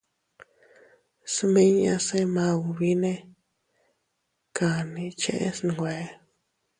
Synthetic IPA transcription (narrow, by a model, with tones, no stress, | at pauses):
smẽ˦ɲã̰˧se˦mã˧wβi˦nẽ˦ | ka˨nĩ˧t͡ʃḛ̃˧˦ʔḛ̃˦sn˧˨ɡʷwe˨˦